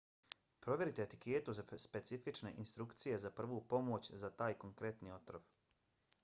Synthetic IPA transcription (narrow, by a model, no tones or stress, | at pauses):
pɾo̞ʋje̞ɾit̪eːt̪i̥keːt̪uzaspe̞t̪sifit͡ʃne̞̰ʔinst̪ɾukt̪sije̞zapr̩ʋoːpo̞moːt͡ɕzat̪aːjko̞ŋkɾe̞t̪nio̞t̪ɾoʋ